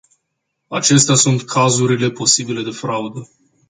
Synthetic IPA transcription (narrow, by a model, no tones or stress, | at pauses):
at͡ʃe̞st̪easunt̪kʰazuɾile̞po̞sibile̞d̪e̞fɾaud̪ə